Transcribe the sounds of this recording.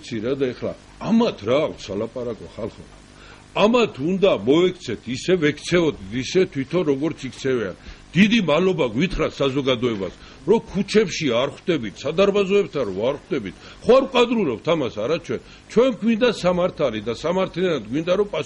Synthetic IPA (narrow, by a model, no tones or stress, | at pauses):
t̪sʰiɾad̪aɛχla̰ | amat̪ʰɾaːkʰt̪salapʼaɾakʼɔχalˠχɔ | amat̪ʰund̪amɔvɛkʰt̪sʰɛt̪ʰisɛvɛkʰt̪sʰɛɔd̪it̪isɛt̪ʰwit̪ʰɔɾɔɡɔɾt̪sʰikʰt̪sʰɛvia̰nd̪̥id̪imalɔbaɡwit̪ʰχɾasazɔɡad̪ɔɛba̰s | ɾɔkʰut͡ʃʰɛpʃiaɾχd̪ɛbit̪ʰsad̪aɾbazɔɛbt̪ʰaɾɔaɾχd̪ɛbit̪ʰ | χɔaɾkʼad̪ɾulɔpt̪ʰamasaɾat͡ʃʰwɛn | t͡ʃʰwɛnɡwind̪asamaɾt̪ʰalid̪asamaɾt̪ʰliɛanad̪ɡwind̪aɾɔpʼa